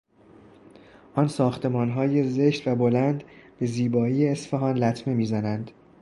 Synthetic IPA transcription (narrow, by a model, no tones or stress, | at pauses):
ʔɒːnsɒːxt̪ʰe̞mɒːnɦɒːje̞ze̞ʃt̪væbo̞lænd̪b̥e̞ziːbɒːiːjeːsfeɦɒnlæt̪ʰme̞miːzænænd̪̥